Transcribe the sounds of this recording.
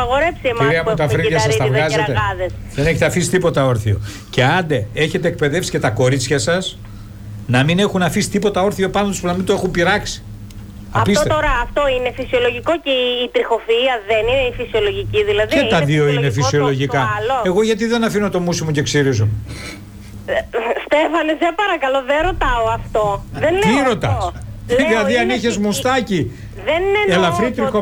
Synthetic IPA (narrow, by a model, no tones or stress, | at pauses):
ɐɣo̞ɾepsiemiɾiɐput̪ɐfɾiɐssɐst̪ɐvɣɐzet̪eɐðesðene̞çet̪eɐfisi̥t̪ipo̞t̪ɐo̞ɾθio̞̰ | ce̞ɐnd̪e̞e̞çe̞t̪eːk̚pe̞ðe̞fsi̥ce̞t̪ɐko̞ɾit͡sçɐsɐs | nɐmine̞xunɐfisi̥t̪ipo̞t̪ɐo̞ɾθio̞pɐnot̪uspunɐmind̪oe̞xumpiɾɐksi̥ | ɐpist̪et̪oɾɐːft̪oinefisio̞lo̞ʝikoceːt̪ɾixo̞fiɐðenineifisio̞lo̞ʝiciðilɐðiet̪ɐðio̞inefisio̞lo̞ʝikɐloe̞ɣo̞ʝɐt̪̬iðe̞nɐfino̞t̪o̞musimuce̞ksiɾizom | st̪e̞fɐnesepɐɾɐkɐloðeɾo̞t̪ɐoɐft̪oðenlt̪iɾo̞t̪ɐsðilɐðiɐniçezmust̪ɐci | ðeneelɐfɾit̪ɾixo